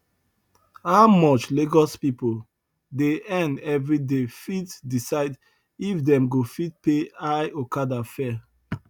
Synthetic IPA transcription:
haʊmɔt͡ʃleɡɔspipol | deɛ̃ndɛvɹidefitdisaɪd | ifdɛ̃mɡofit̚peaɪokadafɛ

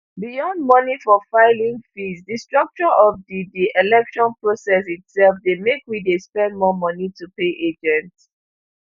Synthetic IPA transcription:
bijɔ̃nd̚mɔnifɔfaɪlĩŋfisdistɹʌk̚t͡ʃɔʔɔfdidiʔɛlɛkʃɔ̃npʰɹosɛsitsɛlfdemekwidespɛ̃ndmɔmɔnitupeʔed͡ʒɛ̃nts

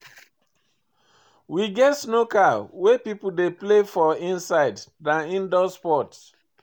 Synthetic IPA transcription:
wiɡɛtsnokawepipudeplefɔĩnsaɪddãnĩndɔspɔt

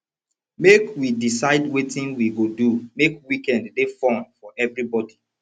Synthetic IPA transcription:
mekwidisaɪdwetĩnwiɡodumekwikɛ̃ndːefɔ̃nfɔʔɛvɹibɔdi

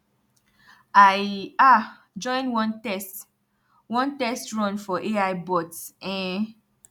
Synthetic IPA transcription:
aja | d͡ʒɔ̃ɪ̃nwɔ̃ntɛst | wɔ̃ntɛstɹɔ̃nfɔʔeajbɔtsɛ̃

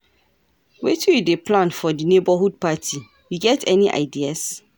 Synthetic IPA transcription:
wetʰijidepʰlãnfɔdinebahud̚patʰi | jiɡɛtʰɛniʔa̰ɪdias

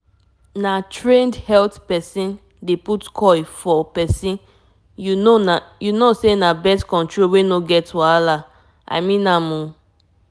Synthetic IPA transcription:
natɹẽndhɛltpɛsĩn | deputkʰɔjfɔpɛsĩn | junoajunosenabɛstkɔ̃ntɹowenoɡɛtːuala | a̰mĩnamũ

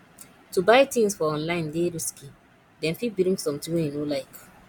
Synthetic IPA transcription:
tubaɪtĩŋsfɔɔ̃nlãɪ̃ndeɾiski | dɛ̃nfit̚biɾĩŋsɔ̃mtĩŋwɛ̃njenolaɪk

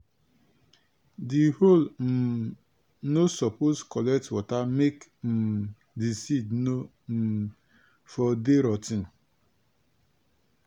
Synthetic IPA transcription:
dihol | nosɔposkɔlɛk̚twɔtamekm̩ | disidno | m̩ | fɔdeɾɔtin

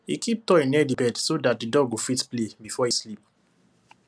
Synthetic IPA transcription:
hikip̚tɔĩnɛdibɛdsodat̚didɔɡɡofitplebifɔislip̚

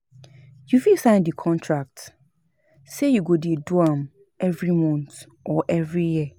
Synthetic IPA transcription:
jufilsãɪ̃ndikʰɔ̃ntʰɹak̚t | sejuɡodiduãm | ɛvɹimɔ̃nt | ʔɔʔɛvɹiji

